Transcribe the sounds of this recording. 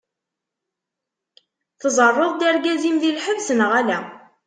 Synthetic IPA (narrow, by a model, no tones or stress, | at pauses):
θəzˤərˤːoðˤd̪əɾɡæzimðilħəvsənʁælæ